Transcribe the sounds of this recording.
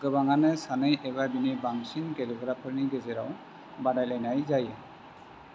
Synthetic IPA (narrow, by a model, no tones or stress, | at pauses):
ɡɯbaŋanɯsanɯjʔɛβabinibaŋsinɡɛlɔɡɾapʰɯɾniɡɛzɛɾaw | badajlajnajzajɯ